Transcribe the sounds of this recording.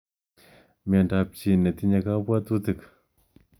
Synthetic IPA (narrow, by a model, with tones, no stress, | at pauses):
ma˨ɳɖ͡ʐap̚t͡ɕinə˨t̪ʰi˦ɲa˨ka˦pwa˦t̪ut̪ɨ˨k̚